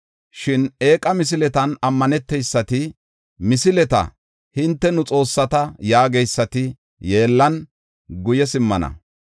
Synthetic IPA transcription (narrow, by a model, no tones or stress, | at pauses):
ʃɪne̞ːkʼɐmɪs̬ɪlɛt̪ɐnɐmːɐnɛt̪ːɛjsːɐt̪ɪ | mɪsɪlɛt̪ɐ̰ | hɪnt̪ːɛnʊt͡sʼo̞ːsːɐt̪ɐjaːɡɛjsːɐt̪ɪ | je̞ːlːɐn | ɡʊjɛsɪmːɐ̰nɐ̰